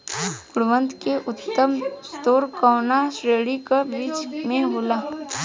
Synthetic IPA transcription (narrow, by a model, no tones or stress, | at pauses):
ɡ̥ʊɽʋə̃nt̪keʔʊt̪ːəmst̪oːɾkɔːnaʃɾeːɽikabiːt͡ʃmẽɦoːlaː